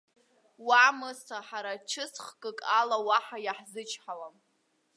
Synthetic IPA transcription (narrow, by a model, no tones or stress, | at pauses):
wamɨsaħaɾat͡ʃʰɨsχkʼɨkʼalawaħajaħzɨt͡ʃʰħawam